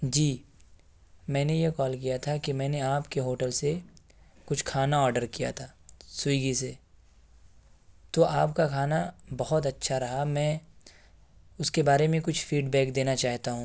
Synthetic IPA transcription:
d͡ʒiː | mɛ̃ːnejekɔːlk̬ijat̪ʰakimɛ̃ːneaːpkeɦoːʈəlse | kʊt͡ʃʰkʰaːnaɔːɾɖəɾkija̰t̪ʰaːsʊiɡise | t̪oʔaːpkakʰaːnabɐɦɔt̪ɐtːʃʰaɾɐɦamɛ̃ː | ʊskebaːɾemẽkʊt͡ʃʰfiːɖbɛːkd̪eːnat͡ʃaːɦt̪aɦũː

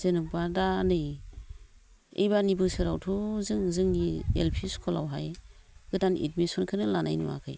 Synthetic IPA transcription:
z̥ɯnɯbadanɯj | ḛjbanibɯsɯɾawtʰuzɯŋzɯŋnielpʰiskʰɔla̰wɦajɡ̥ɯdanḭtmisɔnkʰɯnɯlana̰jnuwa̰kʰɯ̰j

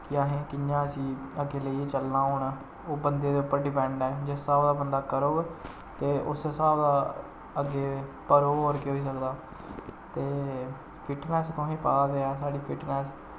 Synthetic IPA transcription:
kɪaɦẽːkɪjãːsĩːəɡeːləiːet͡ʃəlnãːɦoːɳː | oːbənd̪eːd̪eːʊpːəɾɖɪpɛ̃ːɳɖɛːd͡ʒɪst̪aːoːd̪aːbənd̪aːkəɾoːɡ | t̪eːʔʊ̰sesaːbd̪aː | əɡeːpəɾoːoːɾkeɦoːiːs̬əkd̪aː | t̪eː | pʰɪʈnɛːst̪õːĩːpaːad̪eːɛːsaːɽiːpʰɪʈnɛːs

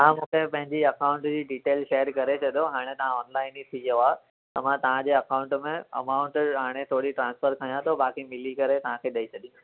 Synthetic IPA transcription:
ãmũːkʰepɐ̃ɦɪ̃ɲd͡ʑiɐkaːʊ̃ɳʈd͡ʑiːɖiːʈeːlʃeːəɾkɐɾet͡ɕʰɐɗ̪joɦaːɽ̃et̪ɐʋ̤ãɔːnlaːɪnit̪ʰid͡ʑɐoaː | t̪ɐmãt̪ɐʋ̤ãd͡ʑeːɐkaːʊ̃ɳʈmẽɐ̰maːʊ̃ɳʈɦaːɽ̃et̪ʰoːɽiʈɾãːnsfʰəɾkɐ̃jãt̪ʰobaːkimɪlikɐɾet̪ɐʋ̤ãkʰeːɗɐit͡ɕʰɐɗijũ

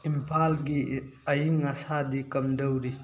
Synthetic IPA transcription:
impʰaːlɡiɐjiŋɐsaːd̪ikɐmd̪ɐwɾi

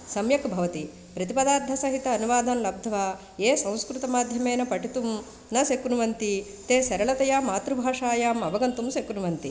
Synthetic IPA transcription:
sɐmjɐkbʱɐʋɐt̪i | pɾɐt̪ipɐd̪aːɾd̪ʱɐsɐɦit̪ɐːnuʋaːd̪ɐːnlɐb̚d̪ʱɐʋa | eːsɐ̃w̃skɾut̪ɐmaːd̪ʱjɐmeːnɐpɐʈit̪um | nɐsekunuʋɐnt̪i | t̪eːsɐɾɐɭɐt̪ɐjaːmaːt̪ɾubʱaːʂaːjaːmɐʋɐɡɐnt̪umsekunuʋɐnt̪i

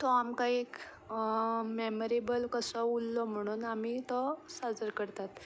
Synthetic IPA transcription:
t̪ɔamkãek | meməɾebəlkəsɔulːɔm̤əɽ̃uːnamit̪ɔsad͡zəɾkəɾt̪at̪

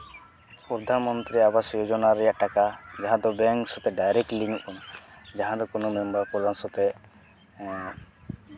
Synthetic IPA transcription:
pɾɔd̪ʱanmɔnt̪ɾiabasɔjod͡ʒɔnaɾɛjaʔʈakad͡ʒaɦãd̪ɔbɛŋksɔt̪ɛɖajɾɛkʈliɲuʔkɔnd͡ʒaɦãd̪ɔkɔnɔmɛmbakɔlansɔt̪ɛ

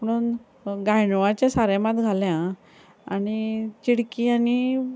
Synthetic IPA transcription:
məɽ̃uːn | ɡajɳʋat͡ɕjãsaɾemat̪ɡʱaljã | anit͡ɕiɽkiːani

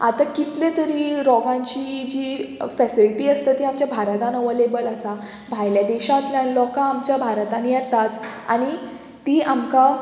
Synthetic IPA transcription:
at̪akit̪lẽt̪əɾiːɾɔɡãɲt͡ɕiːd͡ʑiːfɛsiliʈiːəst̪ət̪iːamt͡ɕjabʱaɾət̪anəʋəlebəlasa | bʱajljad̪ɛɕat̪ljãnlɔkaːmt͡ɕjabʱaɾt̪anijɛt̪at͡sa̰ɽ̃i | t̪iːamka

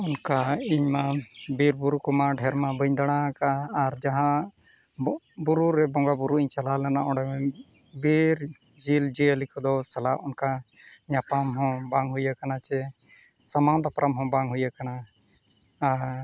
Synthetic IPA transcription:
unkaiɲmabiɾbuɾukɔmaɖʱɛɾmabəɲd̪aɽ̃akaʔaːɾd͡ʒaɦã | buɾuɾɛbɔŋɡabuɾuiɲt͡ʃalalanaʔɔ̃ɖɛmɛbiɾ | d͡ʒild͡ʒilikʰɔd̪ɔsalaɔnkaɲapamɦɔ̃baŋɦujakanat͡ʃɛ | samawd̪apɾamɦɔ̃baŋɦujakana

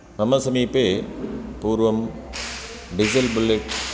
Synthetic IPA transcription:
mɐmɐsɐmiːpeːpuːɾʋɐm | ɖɪd͡ʒɐlbʊlːeʈ

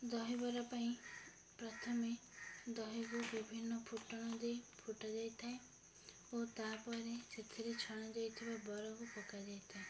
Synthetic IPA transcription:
d̪ɔɦibɔɾɔpaĩ | pɾɔt̪ʰɔmed̪ɔɦikubibʱinːɔpʰuʈɔɽ̃ɔd̪ejpʰuʈɔd͡ʒajt̪ʰae | ot̪apɔɾeset̪ʰiɾet͡ʃʰɔɽ̃ɔd͡ʒajt̪ʰibabɔɾɔkupɔkad͡ʒajt̪ʰae

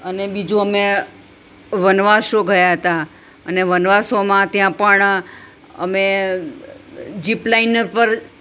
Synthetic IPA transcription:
ənebid͡ʒuəme | ʋənʋasoɡʱəjaɦət̪a | əneʋənʋasomãt̪jãpəɳ | ə̰me | d͡ʒiplainəɾpəɾ

